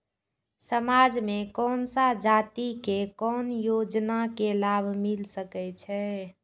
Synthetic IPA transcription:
səmad͡ʒmẽkɔːnsad͡ʒat̪ikekɔːnjod͡ʒnakelabʱmilsəkɛt͡ʃʰɛ

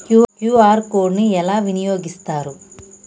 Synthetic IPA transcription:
kjukjuːaːɾkoːɖniɛlaːʋinijo̞ːɡist̪aːɾu

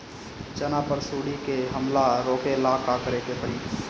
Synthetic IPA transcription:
t͡ʃənapəɾsuːɽikeɦəmlaɾoːkʰelaːkakəɾeːkepəɽiː

